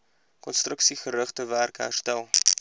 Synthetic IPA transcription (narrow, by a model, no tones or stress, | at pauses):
kɔnstrəksiχəɾəχtəværkəɦæ̰rstælˠ